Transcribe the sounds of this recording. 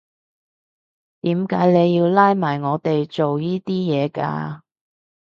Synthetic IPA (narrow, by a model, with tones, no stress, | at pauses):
t̪iː˨˥mkaː˨˥jne˨˧jːiː˧wlaː˥jmaː˨˩jŋɔː˨˧t̪e˨jt͡so˨wjiː˥t̪iː˥jɛː˨˧ka̰ː˧